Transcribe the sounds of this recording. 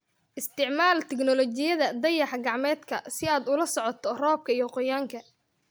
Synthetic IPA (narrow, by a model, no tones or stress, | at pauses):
ʔɪst̪ʰɪʕmaːlt̪ʰɛɡnɔlɔt͡ʃɪjɐðɐd̪ɐjɑħɡɑʕmɛːd̪kʰɐsɪaːd̪ʊlɐsɔʕɔt̪ʰɔrɔːb̚kʰɐijɔqɔjaːŋkʰɐ